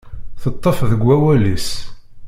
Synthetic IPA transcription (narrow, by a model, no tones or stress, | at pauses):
θət̪ˤːəfðəɡʷːæwælis